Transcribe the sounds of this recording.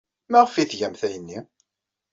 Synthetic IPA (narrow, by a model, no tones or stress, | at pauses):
mæʁəfiθʝæmθæjənːi